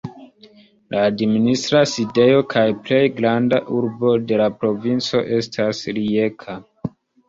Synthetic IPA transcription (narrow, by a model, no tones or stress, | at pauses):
lʔaːdministɾaside̞jo̞kʰajple̞jɡɾandaʔuɾbo̞de̞lapɾo̞vint͡so̞ʔe̞stʰasɾie̞kʰa